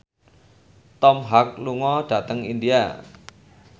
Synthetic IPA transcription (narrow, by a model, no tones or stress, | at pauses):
t̪ɔmɦak̚luŋɔd̥a̤t̪əŋindia̰